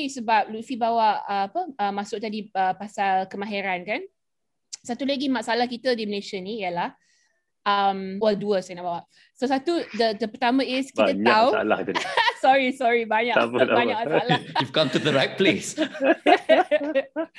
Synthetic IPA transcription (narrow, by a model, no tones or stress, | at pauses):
kisəbap̚lufibawaʔəːpəəmːasʊk̚t̪adiəpasalkəmãɦɛɾankan | sat̪uləɡimaʔsalahkit̪ədiməleʃənijəlah | ʔəmwəduəsanaʔbawaʔ | sosat̪udədəpərt̪amə̃ɪskit̪ətɲaua̰la̰hit̪usɔɹisɔɹibaɲaʔbaɲaʔkasaljuvkãmtuðəɾajt̚ples